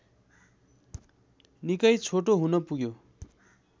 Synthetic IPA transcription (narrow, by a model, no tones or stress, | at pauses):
nikʌjt͡sʰoʈoɦunʌpuɡjo